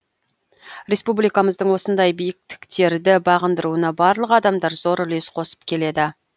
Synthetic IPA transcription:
ɾʲe̞spublijkɑməzd̪əɴwo̞sənd̪ɑjbijɪk̚t̪ɪ̥kt̪e̞ɾd̪ɪbɑʁənd̪əɾuənɑbɑɾlˠəqɑd̪ɑmd̪ɑɾzo̞ɾɪlesqʰo̞sə̥p̚kʲʰe̞le̞d̪ɪ

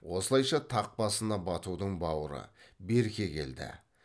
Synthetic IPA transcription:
wo̞səlˠɑjʃɑt̪ʰɑq̚bɑsənɑbɑt̪ud̪əɴbɑwəɾə̰be̞ɾkʲe̞kʲe̞̰ld̪ɪ̰

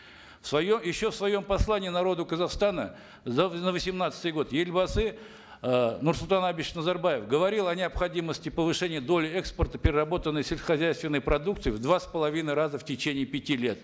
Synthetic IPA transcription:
fsvɐjomjɪɕːo̞fsvɐjo̞mpɐslˠanʲɪːnɐɾo̞d̪ʊkəzɐχst̪anə | zənəvəsʲɪmnat̪sə̥t̪ɨjɡo̞t̪jelʲbɐsɨ | nursʊlˠt̪anabʲiɕnəzɐrbajɪfɡəvɐɾʲilˠɐnʲɪɐpxɐdʲiməsʲtʲɪpəvɨʂɛnʲɪjəd̪o̞lʲɪɛkspərt̪əpʲɪɾʲɪrɐbo̞t̪ənːəjsʲɪlʲsəxɐzʲæjst̪vʲɪnːəjpɾɐd̪ukt̪sɨɪvd̪vaspəlˠɐvʲinɨjɾazəftʲɪt͡ɕenʲɪːpʲɪtʲilʲe̞t̪

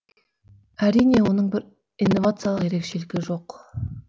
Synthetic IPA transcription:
æɾijne̞wo̞nəɴbɪɾ | ijnːo̞vat̪sɨjalˠəqjeɾe̞kʃe̞lɪɡʲɪʒo̞q

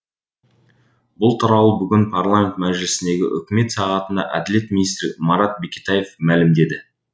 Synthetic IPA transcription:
bʊlˠt̪ʰʊɾɑlˠəbʏɡʲɪnpʰarlˠamʲe̞nt̪mæʒɪlɪsɪnd̪e̞ɡʲɪ̰ʔʏkʲɪme̞t̪sɑʁɑt̪ənd̪ɑ̰ʔæ̰d̪ɪle̞t̪mʲinijst̪ɾmɑɾɑt̪̚be̞kʲi̥t̪ɑje̞fmælɪmd̪e̞d̪ɪ

